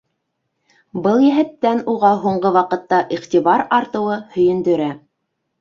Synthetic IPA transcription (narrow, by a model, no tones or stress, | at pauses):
bɤlˠjæɦæt̪ːænuʁɑɦuɴɢɤwɑqɤ̆t̪ːɑʔiχt̪iβɑɾɑɾt̪ɤ̆wɤhɵ̆jɵ̆nd̪ɵ̆ɾæ